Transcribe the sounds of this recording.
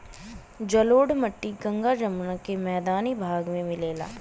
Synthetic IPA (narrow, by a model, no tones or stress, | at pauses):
d͡ʒɐloːɽməʈːiɡɐ̃ŋɡad͡ʒɐmnakemɛːd̪aːnibʱaːɡmẽmɪleːla̰ː